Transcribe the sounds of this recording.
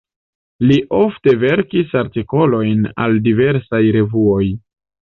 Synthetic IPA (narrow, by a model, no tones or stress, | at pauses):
liʔo̞fte̞ve̞ɾkisaɾtiko̞lo̞jna̰ldive̞ɾsajɾe̞vuo̞j